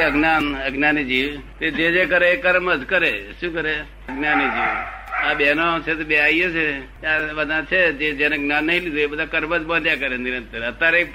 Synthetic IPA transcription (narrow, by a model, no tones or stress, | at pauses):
əɡnaːnɐɡnaːnid͡ʒiːʋt̪ed͡ʒed͡ʒekəɾekəɾməd͡ʒkəɾeʃũːkəɾe | əɡnaːnid͡ʒiːʋabenõt͡ʃʰet̪ebeaiet͡ʃʰe | aʋəd̪ʱãt͡ʃʰed͡ʒed͡ʒenəɡnaːnːɐɦĩlid̪ʱuebəd̪ʱakəɾməd͡ʒbənɖ̪jakəɾenɪɾənt̪əɾət̪ːaɾe